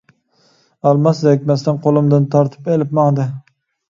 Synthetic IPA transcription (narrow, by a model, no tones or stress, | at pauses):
alˠmaszak̚ʲmast̪anqʰolˠɪmd̪ant̪ʰɑɾt̪ʰɪ̥pelɪpmɑŋd̪ɪ